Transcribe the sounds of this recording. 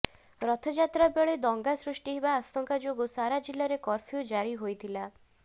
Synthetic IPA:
ɾɔt̪ʰɔd͡ʒat̪ɾabeɭed̪ɔŋɡasɾusʈiɦebaːst̪ɔŋkad͡ʒoɡusaɾad͡ʒilaɾekɔɾpʰiud͡ʒaɾiɦojt̪ʰila

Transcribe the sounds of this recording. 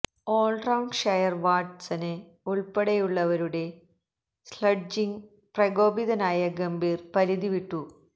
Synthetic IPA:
oːlɖrɐwɳɖʂɐjɐrʋaːʈsɐnɨ | uɭpeɽɐjuɭːɐʋɐɾuɽe̞ | slɐɖ̚d͡ʑiŋ | prɐɡo̞ːbiðɐnaːjɐɡɐmbiːrpɐɾiðiʋiʈːu

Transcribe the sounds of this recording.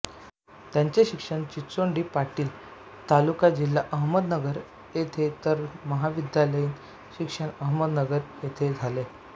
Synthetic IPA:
t̪jaɲt͡ɕeɕikʂəɳt͡ɕit͡soɳɖiːpaʈiːl | t̪alukad͡ʑilːaʔəɦməd̪nəɡəɾ | jet̪ʰet̪əɾməɦaʋid̪jaləjiːn | ɕikʂəɳəɦməd̪nəɡəɾjet̪ʰed͡zʱale

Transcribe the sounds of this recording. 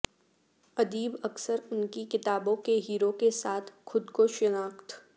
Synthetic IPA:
ɐd̪iːbɐksəɾʊnkikɪt̪aːbõkeɦiːɾõkesaːt̪ʰxʊd̪koʃɪnaːkt̪

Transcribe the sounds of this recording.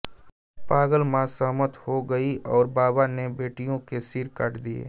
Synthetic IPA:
paːɡəlmãsəɦmət̪hoɡɐiʔɔːɾbaːbanebeːʈijõkesiɾkəʈd̪iḛː

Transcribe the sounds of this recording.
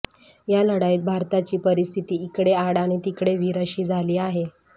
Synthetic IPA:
jaləɽajːt̪̚bʱaɾt̪at͡ɕiːpəɾist̪ʰit̪iːikɽeaɽañit̪ikɽeʋiɾəɕiːd͡zʱaliːaɦe

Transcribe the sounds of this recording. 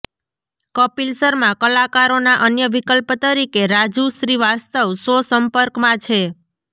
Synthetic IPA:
kəpilsəɾmãkəlakaɾonaʔənjəʋikəlpt̪əɾikeɾad͡ʒuʃɾiʋast̪əʋsosəmpəɾkmãt͡ʃʰe

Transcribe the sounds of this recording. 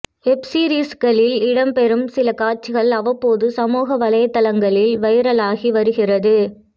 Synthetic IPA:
ɛpsiːɾiːskɐɭɪlɪɽɐmpɛɾɯmsɪlɐkaːɾ̚t͡ʃɪɣɐɭɐʋɐpːoːðɯsɐmuːɣɐʋɐlɐjɐt̪ːɐlɐŋɡɐɭɪlʋɐɪɾɐlaːɣiʋɐɾɯɣɪrɐðɯ

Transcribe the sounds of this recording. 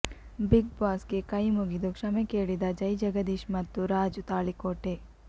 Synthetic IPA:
biɡ̚baːskekɐjmuɡid̪ukʃɐmekeːɭid̪ɐd͡ʒɐjd͡ʒɐɡɐd̪iʃmɐt̪ːuɾaːd͡ʒut̪aːɭikoːʈe

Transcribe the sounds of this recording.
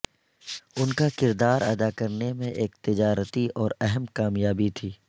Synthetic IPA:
ʊnkakɪɾd̪aːɾɐ̰d̪akɐɾnemẽʔeːk̚t̪ɪd͡ʒaːɾt̪iʔɔːɾɛɦɛmkaːmjaːbit̪ʰiː

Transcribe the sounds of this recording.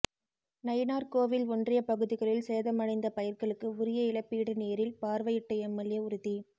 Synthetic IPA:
nɐjnaːɾkoːʋɪlɔndrɪjɐpɐɣɯðɪɣɐɭɪlseːðɐmɐɻɐɪnd̪ɐpɐjɪɾkɐɭɯkːɯʊɾɪjɐɪlɐpːiːɽɯneːɾɪlpaːɾʋɐjɪʈːɐɛmːɐljɐʊɾɯði

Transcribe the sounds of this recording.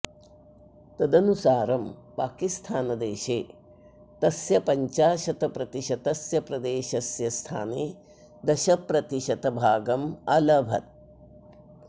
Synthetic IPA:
t̪ɐd̪ɐnusaːɾɐmpaːkist̪ʰaːnɐd̪eːʃeː | t̪ɐsjɐpɐɲt͡ʃaːʃɐt̪ɐpɾɐt̪iʃɐt̪ɐsjɐpɾɐd̪eːʃɐsjɐst̪ʰa̰ːneː | d̪ɐʃɐpɾɐt̪iʃɐt̪ɐbʱaːɡɐmɐlɐbʱɐ̰t̪̚

